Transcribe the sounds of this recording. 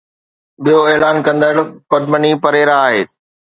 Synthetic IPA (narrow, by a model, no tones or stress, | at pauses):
ɓijoeːlaːnkɐ̃nd̪əɽpɐʈmənipɐɾeːɾaaːɦeː